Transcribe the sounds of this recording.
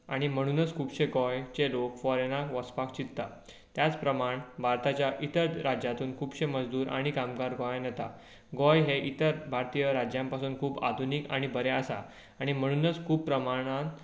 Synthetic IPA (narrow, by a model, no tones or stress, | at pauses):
aɽ̃im̤əɽ̃uːnət͡skʰuːbɕeɡɔjt͡ɕelokfɔɾenakʋəspak̚t͡ɕit̪t̪a̰ | t̪jat͡spɾəmaɳbʱaɾt̪at͡ɕjaʔit̪əɾɾad͡ʑjat̪uːnkʰuːbɕeməd͡zd̪uːɾʔa̰ɽ̃ikamɡaɾɡɔjanjet̪a̰ | ɡɔjɦeʔit̪əɾbʱaɾt̪ijəɾad͡ʑjãmpasuːnkʰuːba̰d̪ʱunika̰ɽ̃ibʱəɾeəsa̰ː | ɽ̃im̤əɽ̃uːnət͡skʰuːbpːɾəmaɽ̃at̪